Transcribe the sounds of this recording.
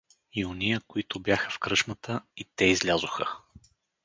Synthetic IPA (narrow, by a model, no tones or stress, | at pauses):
ionijəkoit̪ʊbjaxəfkɾɤʃmət̪ʰəit̪ɛizlʲazʊxə